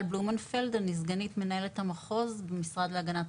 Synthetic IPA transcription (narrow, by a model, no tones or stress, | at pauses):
lblumanfeldenizɡanit̪me̞nae̞let̪hamaχo̞zbemisʁad̪leaɡanat